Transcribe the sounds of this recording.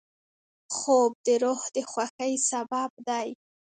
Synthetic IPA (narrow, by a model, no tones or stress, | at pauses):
xob̚d̪əɾohd̪əxwaxəjsabab̚d̪aj